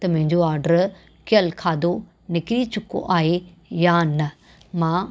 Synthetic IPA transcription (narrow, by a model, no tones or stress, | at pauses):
t̪ɐmʊ̃ɦɪ̃ɲd͡ʑoaːɾɖəɾ | kɪəlkʰaːd̪o | nɪkɪɾit͡ɕʊko̰ʔaːɦe | jaːnɐ | mãː